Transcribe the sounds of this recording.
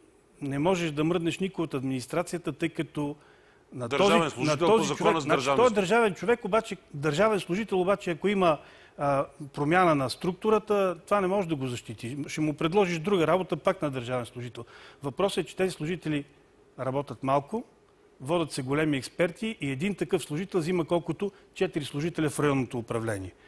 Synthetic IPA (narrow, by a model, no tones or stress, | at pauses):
nɛmɔʒɛʃd̪ɐməɾd̪nɛʃnikʊjot̪ɐd̪minist̪ɾat̪sijət̪ət̪ɤjkɐt̪ɔ | nɐt̪ɔzivnɐt̪ɔzit͡ʃovɛnt̪ɔɛd̪ɐɾʒavɛnt͡ʃovɛkobat͡ʃɛd̪ɐɾʒavɛnslˠʊʒit̪ɛlˠobat͡ʃɛɐkoimə | pɾomʲjanənɐst̪ɾuk̚t̪ʊɾət̪ət̪ovanɛmɔʒɛd̪ɐɡozɐʃt̪it̪iʃɛmʊpɾɛd̪lˠɔʒiʃd̪ɾuɡəɾabot̪əpaknɐd̪ɐɾʒavɛnslˠʊʒit̪ɛlˠvɐpɾɔsɛt͡ʃɛ̥t̪ɛzislˠʊʒit̪ɛli | ɾɐbɔt̪ʲət̪malˠkʊ | vɔd̪ʲət̪sɛɡolɛmiɛkspɛɾt̪iʔiɛd̪int̪ɐkɤfslˠʊʒit̪ɛlˠzimɐkɔlˠkʊt̪ʊt͡ʃɛt̪iɾislˠʊʒit̪ɛlʲɛfɾɐjɔnːot̪oːpɾɐvlɛniɛ